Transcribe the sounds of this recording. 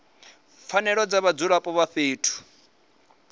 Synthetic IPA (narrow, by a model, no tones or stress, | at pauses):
fanɛɺɔd͡zaβad͡zuɺapʼɔβaɸeːtʰu̥